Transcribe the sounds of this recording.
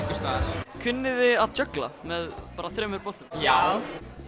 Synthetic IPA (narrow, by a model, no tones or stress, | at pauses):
kʏst̪askʰʏnːɪðɪaðt̪œkla̰mɛðpaːɾaθɾɛːmʏɾpɔh̪t̪ʏmjaw